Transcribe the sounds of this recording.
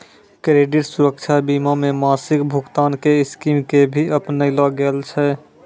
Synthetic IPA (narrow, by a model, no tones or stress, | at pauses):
kɾeɖiɾsuɾəkt͡ʃʰabimamemasɪkbʱukt̪aːnkeɪskimkebʱiəpnəilɔɡelt͡ʃʰɛ